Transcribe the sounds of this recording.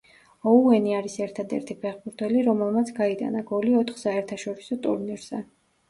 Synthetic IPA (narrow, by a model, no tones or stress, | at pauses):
ɔuɛniaɾisɛɾt̪ʰad̪ɛ̰ɾt̪ʰipʰɛχbuɾt̪ʰɛliɾɔmɛlˠmat̪sʰɡaid̪a̰naɡɔliɔt̪ʰχsaɛɾt̪ʰaʃɔɾisɔt̪ʼuɾniɾz̥ɛ